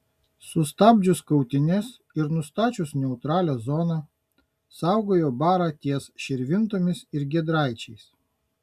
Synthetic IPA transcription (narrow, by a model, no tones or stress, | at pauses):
sʊst̪ɑːbʲd͡ʒʲʊskɐʊt̪ʲɪnʲɛs | ɪɾnʊst̪ɑːt͡ʃʲʊsnʲɛʊt̪ɾɑːlʲoːzɔːnɑː | sɑˑʊɡoːjoːbɑːɾɑːt̪ʲiɛsʃʲɛɾʲʋʲɪnt̪oːmʲɪsɪɾɡʲɛd̪ɾɑˑɪt͡ʃʲɛɪs